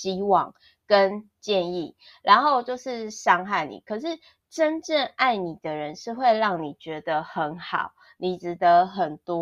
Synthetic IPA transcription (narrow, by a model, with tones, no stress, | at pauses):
t͡ɕi˦wɑ̰˨˩ŋ | kə˦n | t͡ɕjɛ˥˧ni˥˩ | ɻʔa˧˦nxo˥˧ʊt͡ɕjo˥˧ʊʂɻ̩˥˩ʂɑ˥ŋxa˥˩ɪnḭ˨˩kʰə˨˩ʂɻ̩˥˩ | ʈ͡ʂə˦nʈ͡ʂə˥˧ŋa˥˩ɪni˨˩d̪ə˦ɻə˧˦nʂɻ̩˥˧xwe˥˧ɪɻɑ˥˩ŋni˨˩t͡ɕɥɛ˧˥d̪ə˧xə˧˥nxɑ˨˩˦ʊ | ni˨˩ʈ͡ʂɻ̩˧˥d̪ə˧˦xə˨˩nt̪wɔ˥˦